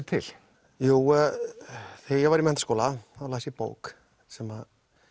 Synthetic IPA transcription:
t̪ʰɪ̰l̥ | juː | θejɛvaɾimɛnt̪askoːlaθalasipo̰ːwk | sɛmað

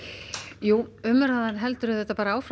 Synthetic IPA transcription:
juːʏmːʏɾaðanɦɛlt̪ʏɾʏθɛht̪ːapaːɾaaːwfɾ

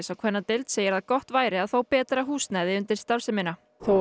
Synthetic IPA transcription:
sawkʰvɛnːat̪ɪlt̪seːjɪɾaðkɔht̪vaːjɾɪaðθowpɛːt̪ɾaɦuːsnajðɪʏnt̪ɪɾ̥st̪aɾ̥sɪmɪna | θu

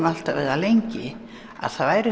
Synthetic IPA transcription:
mal̥t̪avɛ̰ːðalejɲcɪ | a̰ðθaðvaːjɾɪ

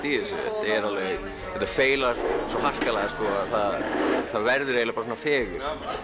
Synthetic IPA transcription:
t̪iːðɪsɪ̰ɛ̰t̪ɛɾalve | ɛt̪afeːjlaɾ̥sɔɦar̥kalaɣast̪ɔaðθaðθaðvɛɾðʏɾelɪpaɾsɔnafɛːɣʏɾ̥

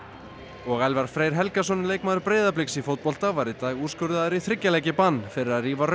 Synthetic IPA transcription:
ɔɣɛlvaɾ̥fɾeːjɾ̥ɦɛlkasɔnɪleːjkmaːðʏɾpɾeːjðap̬lɪksifowt̪̚pɔl̥t̪avajɾɪt̪aːɣuːskʏɾðaðʏɾiθɾɪcːalɛjcɪpanːfɪɾɪɾaðriːvar

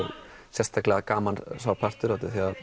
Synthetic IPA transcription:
sjɛst̪ʰaklɛakaːmansaːwpʰar̥t̪ʏɾat̪ɪθiað

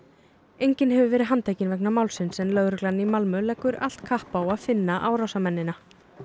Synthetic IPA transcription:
ejɲcɪnɦɛvʏvɛːɾɪðɦant̪ʰajcɪnvɛknamawlsɪnsɛnlœɣɾʏklanimalmʏlɛkːʏɾa̰l̥t̪kʰahpawaðfɪnːaʔaːwɾawsamɛnːɪna

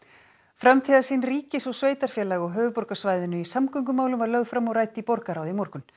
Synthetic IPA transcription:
fɾamt̪ʰiðasiːnriːcɪsɔsveːjt̪aɾ̥fjɛːlaɣɔɣɦœːvʏpɔɾkasvajðɪnʏisamkʏŋkʏmaːwlʏmvaɾlœɣðfɾamːɔɾaːjt̪ɪipɔɾkaɾaːwðimɔɾkʏn

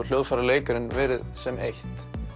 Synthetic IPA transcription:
l̥joːwðfaɾaleːjkaɾɪnvɛːɾɪðsɛmejht̪

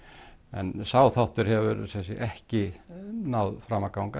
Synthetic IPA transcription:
ɛ̰nsaːwθawht̪ʏɾ̥hɛvʏɾsɛsiʔɛhcɪnawðfɾamakawŋka

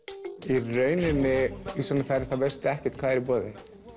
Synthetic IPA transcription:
irœːɥnɪnɪisɔnafaɾɪ̥st̪avest̪ɛhcɛ̥t̪kʰvaːðɛɾipɔːðɪ

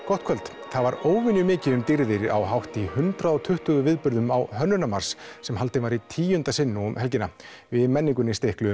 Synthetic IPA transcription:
kɔht̪̚kʰœlt̪ | θaðvaɾoːwvɪnjʏmɪːcɪʏmt̪iɾðɪɾa̰wɦawht̪ihʏnt̪ɾaðɔt̪ʰʏht̪ʏɣʏvɪðpʏɾðʏmawɦœnːʏnamaɾ̥sːɛmhɦalt̪ɪvaɾit̪ʰiːjʏnt̪asɪnːʏʏmhɛlcɪnavɪðmɛnːiŋk̬ʏnist̪ehklʏ

